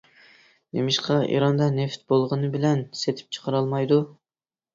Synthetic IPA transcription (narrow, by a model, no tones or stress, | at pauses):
d̪emɪʃqɑʔḭɾɑnd̪ɑneft̪̚bolˠʁənɨbɪlɛnset̪ʰɪ̥p̚t͡ʃʰə̥qʰəɾɑlˠmɑjd̪u